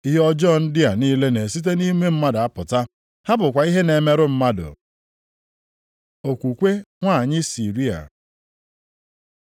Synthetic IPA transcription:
i˦ɦɔ˦d͡ʒɔ˦˨n̩˦dɪ˦a˨niː˦le˦ne˨si˦t̬e˦ni˦me˦m̩˦ma˦da˦pʊ˨ta˦ | ha˦bʊ˨kʷa˨i˦ɦe˦ne˨me˦ɾʊ˦m̩˦ma˦dʊ̰˨ | o˨kʷu˨kʷe˦ŋʷa˦˨ɲɪ˦si˨ɾi˦a̰˨

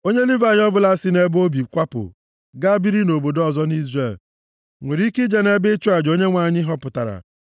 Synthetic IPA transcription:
o˦ɲe˦li˦va˦˨jɔ˦bʊ˦la˦si˦ne˦bo˦bi˨kʷa˦pʊ̰˨ | ɡa˦bi˦ɾi˦no˨bo˨dɔ˨zɔ˦ni˦zre˦˨l | ŋʷe˨ɾi˦ki˦d͡ʒe˦ne˦bɪ˦t͡ʃu˦a˨d͡ʒo˦ɲe˦ŋʷa˦˨ɲɪ˦ɦɔ˦pʊ˨ta˨ɾa̰˨

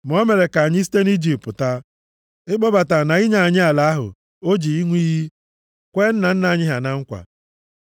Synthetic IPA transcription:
m˨ɔ˦me˨ɾe˨ka˨a˨ɲɪ˦s̬i̥˦te˦n˦i˦d͡ʒi˨pʊ˨ta˦ | ɪ˦ɡ͡bɔ˦ba˨ta˨na˨i˦ɲa˨a˨ɲɪ˦a˨la˨a˦ɦʊ̰˨ | o˦d͡ʒi˨i˦ŋʷi˦ɦi˦ | kʷe˦n̩˦na˨n̩˦na˨a˨ɲɪ˦ɦa˨na˨ŋ̩˦kʷa̰˨

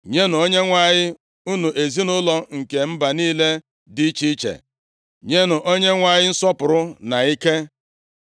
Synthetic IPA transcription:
ɲe˦nʊ˨o˦ɲe˦ŋʷa˦ɲɪ˦ | u˦nu˨ʔe˨zi˦nʊ˦lɔ˦ŋ̩˨ke˨m̩˦ba˨niː˦le˦ | di˦t͡ʃi˦t͡ʃḛ˨ | ɲe˦nʊ˨ʔo˦ɲe˦ŋʷa˦ɲɪ˦n̩˦sɔ˦pʊ˨ɾʊ˦na˨i˦ke˦

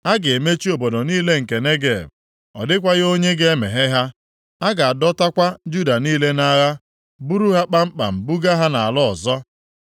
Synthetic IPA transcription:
a˦ɡɪ˨e˨me˦t͡ʃi˦o˨bo˨do˨niː˦le˦ŋ̩˨ke˨ne˦ɡe˨b | ɔ̰˨dɪ˦k̬ʷa˦ɣo˦ɲe˦ɡe˦e˦me˨ɦe˦ɦa˦ | a˦ɡa˨a˨dɔ˦ta˦kʷa˦d͡ʒu˦da˨niː˦le˦na˦ɣa˦ | bu˦ɾu˦ɦa˦k͡pa˦m̩˦k͡pa̰˨m̩˨bu˦ɡa˦ɦa˦na˨a˨lɔ˦ɔ˨zɔ˦

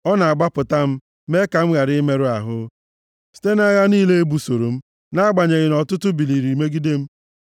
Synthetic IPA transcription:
ɔ˦na˨a˨ɡ͡ba˦pʊ˨ta˦m̩˦ | me˦ka˨m̩˦ɣa˨ɾɪ˦me˦ɾʊ˦a˨ɦʊ˦ | si̥˨te˦na˦ɣa˦niː˦le˦e˦bu˨so˨ɾo˨m̩˦ | na˦a˦ɡ͡ba˨ɲe˨ɣɪ˨nɔ˨tʊ˦tʊ˦bi˨li˨ɾi˨me˦ɡi˦de˦m̩˦

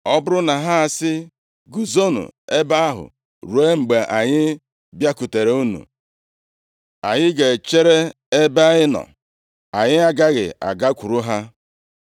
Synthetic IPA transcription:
ɔ˦bʊ˦ɾʊ˦na˨ɦa˦a˨sɪ˦ | ɡu˨zo˦nṵ˨e˦ba˦a˦ɦʊ̰˨ | ɾu˨e˦ŋ͡m̩˨ɡ͡be˨ʔa˨ɲɪ˦ | bja˦ku˨te˨ɾe˨u˦nṵ˨ | a˨ɲɪ˦ɡe˨t͡ʃe˦ɾe˦ | e˦ba˦ɲɪ˦nɔ̰˨ | a˨ɲɪ˦a˦ɡa˦ɣɪ̰˨a̰˨ɡa˦kʷu˨ɾu˦ɦa˦

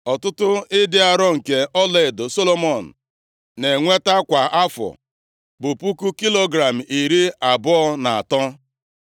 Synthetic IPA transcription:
ɔ˨tʊ˦tʊ˦ɪ˦dɪ˦a˦ɾɔ˦ŋ̩˨ke˨ʔɔ˦le˦˨do˨so˦lo˦mɔ˨n̩˨ | ne˨ŋʷe˦ta˦kʷa˨a˦fɔ̰˨ | bʊ˨pu˦ku˦ki˦lo˦ɡɾa˨m̩˨i˨ɾi˦a˨bʊ˦ɔ˦na˨a̰˨tɔ˦

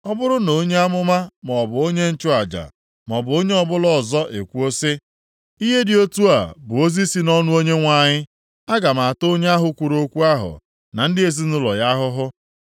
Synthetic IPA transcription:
ɔ˦bʊ˦ɾʊ˦no˨˦ɲe˦a˦mʊ˦ma˦m˨ɔ˨bʊ˨o˦ɲe˦n̩˦t͡ʃʊ˦a˨d͡ʒa̰˨ | m˨ɔ˨bʊ˨o˦ɲe˦ɔ˦bʊ˦lɔ˦˨zɔ˦ʔḛ˨kʷu˦o˦sɪ˦ | i˦ɦe˦dɪ˨o˦tu˦a̰˨bʊ˨o˦zi˦si˦nɔ˦nʊ˦o˦ɲe˦ŋʷa˨ɲɪ˦ | a˦ɡa˨ma˨a˨to˦ɲe˦a˦ɦʊ˨kʷu˨ɾo˦kʷu˦a˦ɦʊ̰˨ | na˨n̩˦dɪ˦e˨zi˦n̩ʊ˦lɔ̰˨ja˦ɦʊ˦ɦʊ˦

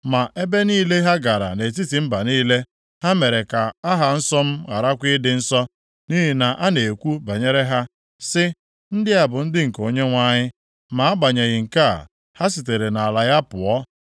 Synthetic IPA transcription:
ma˨ʔe˦be˦niː˦le˦ɦa˦ɡa˨ɾa̰˨ne˨t̬i˦ti˨m̩˦ba˨niː˦le˦ | ha˦me˨ɾe˨ka˨a˦ɦa˨n̩˦sɔ˦m̩˦ɣa̰˨ɾa˦kʷi˦dɪ˦n̩˦sɔ˦ | ni˦ɦi˨na˨ʔa˦ne˨kʷu˦ba˨ɲe˦ɾe˦ɦa˦ | sɪ˦ | n̩˦dɪ˦a˨bʊ˨n̩˦dɪ˦ŋ̩˨ko˨ɲe˦ŋʷa˦ɲɪ˦ | ma˨a˦ɡ͡ba˨ɲe˨ɣɪ˨ŋ̩˨ka̰˦˨ | ha˦s̬i˨t̬e˨ɾe˨na˨a˨la˨ɣa˦pʊ̰˨ɔ˦

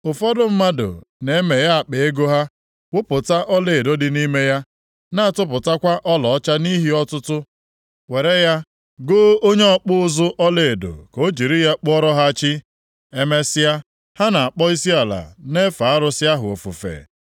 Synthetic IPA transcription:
ʊ˨fɔ˦dʊ˦m̩˦ma˦do̰˨ne˨e˦me˨ja˦a˨k͡pe˨e˦ɡo˦ɦa˦ | wʊ˦pʊ˨ta˦ʔɔ˦le˨do˦dɪ˨ni˦me˦ja˦ | na˦a˦˨tʊ˦pʊ˨ta˦kʷa˦ʔɔ˦lɔ˨ɔ˦t͡ʃa˦ni˦ɦi˦ɔ˦tʊ˦tʊ˦ | we˨ɾe˦ja˦ | ɡo˦o˦ɲe˦ɔ˦k͡pʊ˦ʊ˦zʊ˦ʔɔ˦le˨do̰˨ko˦d͡ʒi˨ɾi˦ja˦k͡pɔ˦ɾɔ˦ɦa˦t͡ʃi˦ | e˦me˦sɪ˦ja˦ | ha˦na˨a˨k͡pɔ˦i˦si˦a˨la̰˨ne˦fa˨a˦ɾʊ˦sɪ˦a˦ɦʊ˨o̰˨fṵ˨fḛ˨

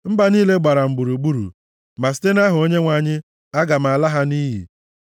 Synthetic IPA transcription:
m̩˦ba˨niː˦le˦ɡ͡ba˨ɾa˨m̩˨ɡ͡bu˨ɾu˨ɡ͡bu˦ɾṵ˨ | ma˨s̬i̥˦te˦na˦ɦʊ˨o˦ɲe˦ŋʷa˨ɲɪ˦ | a˦ɡa˨m̩˨a˨la˦ɦa˦ni˦ɦḭ˨

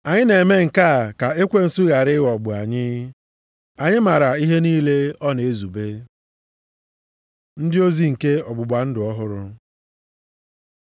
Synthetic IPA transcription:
a˨ɲɪ˦ne˨me˦ŋ̩˨ka˦˨ka˨e˦kʷe˦n̩˨su˦ɣa˨ɾɪ˦ɣɔ˨ɡ͡bʊ˨a˨ɲɪ˦ | a˨ɲɪ˦ma˨ɾa˨i˦ɦe˦niː˦le˦ɔ˦ne˨e˦zu˨be˦ | n̩˦dɪ˦o˦zi˦ŋ̩˨ke˦ɔ˨ɡ͡bʊ˨ɡ͡bʷa˨n̩˦dʊ˨ɔ˦ɦʊ˦ɾʊ˦

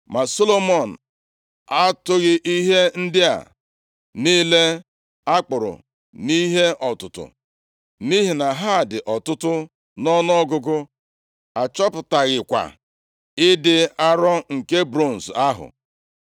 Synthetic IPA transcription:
ma˨so˦lo˦mɔ˨n̩˨ | a˦tʊ˦ɣɪ˦ʔi˦ɦe˦n̩˦dɪ˦a̰˨ | ni˦le˦ | a˦k͡pʊ˨ɾʊ̰˨ | ni˦ɦe˦ɔ˨tʊ˨tʊ̰˨ | ni˦ɦi˨na˨ɦa˦˨dɪ˨ʔɔ˨tʊ˦tʊ˦ | nɔ˦n˦ɔ˦ɡʊ˦ɡʊ˦ | a˨t͡ʃɔ˦pʊ˨ta˨ɣɪ˨kʷa̰˨ | ɪ˦dɪ˦a˦ɾɔ˦ŋ̩˨ke˦bɾo˦˨n̩˨sa˦ɦʊ̰˨

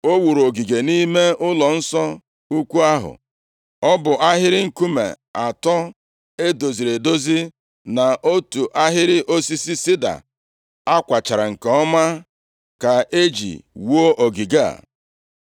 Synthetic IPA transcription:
o˦wu˨ɾo˨ɡi˨ɡe˨ni˦me˦ʊ˦lɔ˨n̩˦sɔ˦ | u˦kʷu˦a˦ɦʊ̰˨ | ɔ˦bʊ˨ʔa˦ɦɪ˦ɾɪ˦ŋ̩˨ku˦mḛ˨ | a˨tɔ˦ | e˦do˨zi˨ɾe˨do˦zi˦ | na˨ʔo˦tu˨ʔa˦ɦɪ˦ɾɪ˦ʔo˦si˦si˦si˦da̰˨ | a˦kʷa˨t͡ʃa˨ɾa˨ŋ̩˨ka˨ɔ˦ma˦ | ka˨ʔe˦d͡ʒḭ˨wo˦ʔo˨ɡi˨ɡa̰˦˨

